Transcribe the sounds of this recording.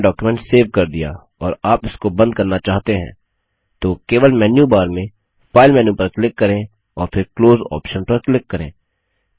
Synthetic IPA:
ɖɔːkjumɛ̃ɳʈseːʋkɐɾd̪ɪja̰ | ɔːɾaːpɪskobɐ̃nd̪̚kɐɾnat͡ʃaːɦt̪eɦɛ̰̃ː | t̪oːkeːʋəlmɛːnjubaːɾmẽ | fʰaːɪlmɛːnjupɐɾklɪkːɐɾẽ | ɔːɾfʰɪɾkloːzɔ̰ːpʃə̃npɐɾklɪkːɐɾḛ̃ː

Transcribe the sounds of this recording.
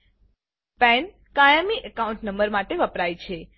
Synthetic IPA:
pɛn | kajəmiʔəkauɳʈnəmbəɾmaʈeʋəpɾajt͡ʃʰe

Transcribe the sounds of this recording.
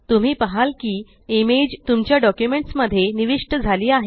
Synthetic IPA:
t̪um̤iːpəɦalkiː | imed͡ʑt̪umt͡ɕjaɖɔkjumeɳʈsməd̪ʱːjeniʋiʂʈəd͡zʱaliːaɦe

